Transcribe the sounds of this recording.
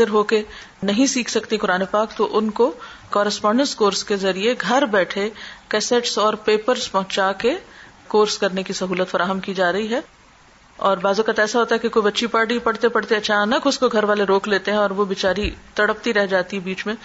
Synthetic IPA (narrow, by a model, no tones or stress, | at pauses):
zɪɾɦoːke | nɐɦĩsiːkʰsɐkt̪ikʊɾaːnepaːk̚t̪oʔʊnko | kɔːɾɪspãːɳɖə̃nskoːɾskezɐɾieɡʱɐɾbɛːʈʰekɛːseʈsɔːɾpeːpəɾspɐɦʊ̃t͡ʃake | koːɾskɐɾnekisɐɦuːlət̪fɐɾaːɦəmkid͡ʒaːɾɐɦiɦɛː | ɔːɾbaːzokət̪ɛːsaɦoːt̪aɦɛkekoːibɐtːʃipɐɾɽipɐɽ̤t̪epɐɽ̤t̪eɐt͡ʃaːnəkʊskoɡʱɐɾʋaːleɾoːkleːt̪eɦɛ̃ɔːɾʋobɪt͡ʃaːɾit̪ɐɽəp̚t̪iɾɛɦd͡ʒaːt̪iɦɛbiːt͡ʃmẽ